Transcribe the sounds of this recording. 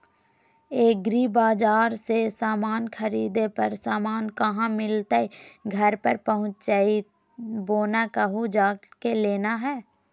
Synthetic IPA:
eːɡɾiːbaːd͡ʒaːɾsesaːmaːnxʰəɾiːd̪epɐɾsaːmaːnkɐɦãmɪlt̪aiɡʱɐɾpəɾpəɦʊ̃t͡ʃd͡ʒaːi | boːnakəɦud͡ʒaːkeleːnaɦɛː

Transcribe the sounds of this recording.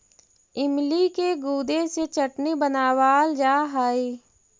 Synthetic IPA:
ɪmlikeɡuːd̪eset͡ʃəʈnibənaːwaːld͡ʒaːɦae

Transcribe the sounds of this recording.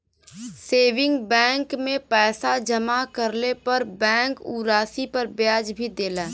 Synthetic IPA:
seːʋɪ̃ŋɡbɛ̃ːŋkmẽpɛːsad͡ʒəmakəɾlepɐɾbɛ̃ːŋkuːɾaːsipɐɾbjaːd͡ʒbʱid̪eːlaː

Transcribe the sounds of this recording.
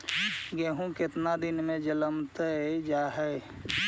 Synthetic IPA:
ɡeːɦũket̪nad̪inmẽd͡ʒələmt̪əd͡ʒaɦɛj

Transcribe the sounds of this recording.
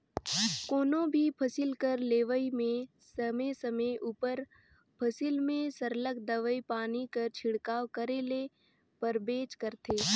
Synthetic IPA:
koːnõbʱipʰəsɪlkəɾleːʋəimẽ | səmesəməʔuːpəɾ | pʰəsɪlmẽsəɾlək̚d̪əʋəipaːnikəɾt͡ʃʰɪɽkaːwkəɾeːle | pəɾbeːt͡ʃkəɾt̪ʰeː

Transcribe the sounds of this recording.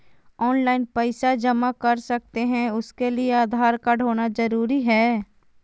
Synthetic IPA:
ɔːnlaːɪnpəɪsad͡ʒɐmakɐɾsɐk̚t̪eɦɛ̃ʊskelieaːd̪ʱaːɾkaɖʱɦoːnad͡ʒɐɾuːɾiɦɛː

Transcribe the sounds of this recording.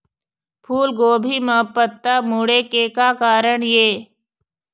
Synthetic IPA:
pʰuːlɡoːbʱiməpət̪ːamuɽekekakaːɾəɳjeː

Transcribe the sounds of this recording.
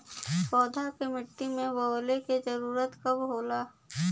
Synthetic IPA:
pɔːd̪ʱakemɪʈːimẽʋəːleked͡ʒəɾuːɾət̪kɐbɦoːlaː

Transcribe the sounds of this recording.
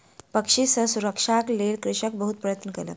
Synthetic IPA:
pəkʂisəsuɾəkʂaklelkɾɪʂək̚bəɦut̪pɾəjət̪nəkelə̰

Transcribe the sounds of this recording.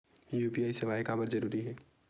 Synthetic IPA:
juːpiaːisɪʋaːjkabəɾzɐɾuːɾiɦɛː

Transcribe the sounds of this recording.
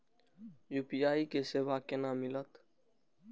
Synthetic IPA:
juːpijaːiːkeːseːʋaːkenãːmɪlət̪

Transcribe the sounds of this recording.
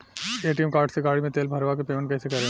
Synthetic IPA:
eːʈiəmkaːɾʈseɡaːɽimẽt̪eːlbʱɐɾʋakepeːmə̃ɳʈkɛːsekɐɾẽː

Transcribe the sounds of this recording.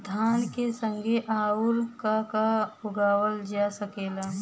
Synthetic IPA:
d̪ʱaːnkesə̃ŋɡʱeʔaːʊɾkakaʊɡaːwəld͡ʒasəkeːlaː

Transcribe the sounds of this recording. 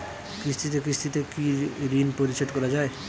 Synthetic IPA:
kɾist̪ʰit̪ekɾist̪ʰit̪ekiɾinpoɾiʃeʈkɔɾad͡ʑae

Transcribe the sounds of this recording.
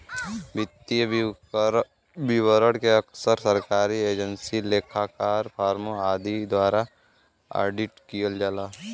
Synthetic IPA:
bɪt̪ːi | bɪwəɾəɽkeɐksəɾsəɾkaːɾieːd͡ʒənsileːkʰakaːɾpʰaːɾmoaːd̪id̪waːɾa | a̰ːɖɪʈkijəld͡ʒaːlaː

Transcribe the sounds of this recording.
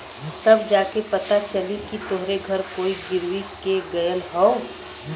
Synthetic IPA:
t̪ɐbd͡ʒaːkepɐt̪at͡ʃɐlikit̪ʊɦɾeɡʱɐɾkoːiɡɪɾwikeɡɐjəlɦɔo

